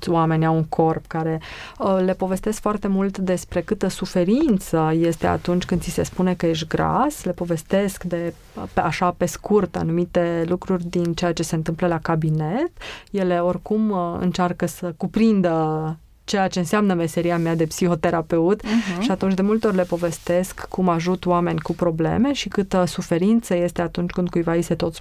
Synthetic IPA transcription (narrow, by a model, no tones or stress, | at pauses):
wame̞nʲawuŋkʰo̞rpkaɾe̞le̞po̞ve̞st̪e̞skfoart̪e̞mult̪d̪e̞spɾe̞kɨt̪əsufe̞ɾint̪səje̞st̪e̞a̰t̪unt͡ʃʲkɨnd̪sise̞spune̞kəje̞ʃ̬t̪ʲɡɾa̰sle̞po̞ve̞st̪e̞skd̪e̞ | aʃape̞skurt̪a̰numit̪e̞lukɾurʲd̪int͡ʃe̞jat͡ʃe̞seɨnt̪ɨmpləlakabinet̪je̞le̞o̞rkumɨ̰nt͡ʃarkəsəkupɾind̪ə | t͡ʃejat͡ʃe̞ɨnseamnəme̞se̞ɾiamad̪e̞psiho̞t̪e̞ɾape̞ut̪ʃiat̪unt͡ʃʲd̪e̞mult̪eorʲle̞po̞ve̞st̪e̞skʰːumaʒut̪oame̞nʲkupɾo̞ble̞̰me̞ʃikɨt̪əsufe̞ɾint̪səje̞st̪e̞at̪unt͡ʃʲkɨnd̪̚kujvaise̞t̪o̞t̪sʲ